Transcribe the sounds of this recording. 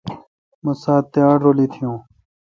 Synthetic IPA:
mə̃saːt̪ːɪjaːɖoːliːt̪ʰijõː

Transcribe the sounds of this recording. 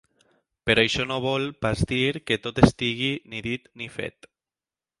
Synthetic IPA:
peɾajʃɔnoβɔlpazd̪iɾket̪ot̪est̪iɣiniðit̪nifḛt̪

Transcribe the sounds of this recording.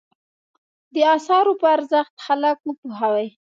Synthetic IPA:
d̪əɑsɑɾopəaɾzəxt̪xalakwəpuɦawaj

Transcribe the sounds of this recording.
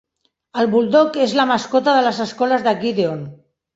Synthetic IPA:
əlβuld̪okezlamaskot̪aðələzəskɔlazðaɡiðeon

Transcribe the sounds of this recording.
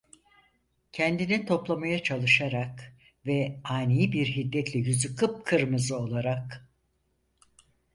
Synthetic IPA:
cʰɛnd̪init̪ʰo̞plˠamajat͡ʃʰalˠɯʃaɾak | vɛaːnijibiɾɦid̪ːɛt̪lʲɛjyzykʰɯp̚kʰɯɾmɯzɯo̞lˠaɾak

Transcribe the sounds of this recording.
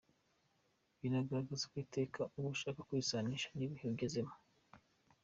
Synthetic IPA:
βinaɡaɾaɡazakwiːte̞ːkauβuʃaːkḁkwisaniʃḁniβihiɡezemo̥

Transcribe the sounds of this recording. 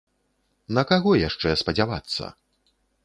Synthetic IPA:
nɐkaɣɔjaʂt͡ʂɛspɐd͡zʲava̰t̪sːɐ̰

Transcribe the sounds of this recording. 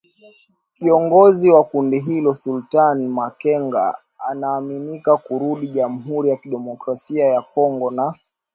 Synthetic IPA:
kiɔŋɡɔziwakundiɦilɔsultanmakɛŋɡa̰ | a̰naːminikakuɾuɗiʄam̩ɦuɾijakiɗɛmɔkɾasiajakɔŋɡɔna

